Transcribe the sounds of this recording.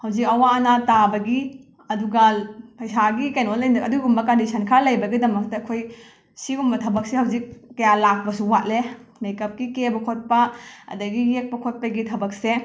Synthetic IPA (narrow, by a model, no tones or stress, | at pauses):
hɐwzik̚ɐwaɐnatabɐɡi | ɐduɡɐpɐjsaɡikajnolɐjnɐkɐduɡumbɐkɐndisʰɐnkʰɾaɾlɐjbɐɡidɐmɐk̚tɐːkʰoj | siɡumbɐtʰɐbɐk̚sehɐwzik̚ːɐjalak̚pɐsuwat̚lemekɐp̚kikebɐkʰot̚pɐɐ̰dɐɡijek̚pɐkʰot̚pɐɡitʰɐbɐk̚se